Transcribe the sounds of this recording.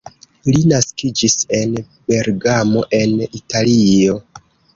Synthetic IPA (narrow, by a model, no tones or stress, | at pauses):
linaskid͡ʒise̞n | be̞ɾɡamo̞ʔe̞nitalio̞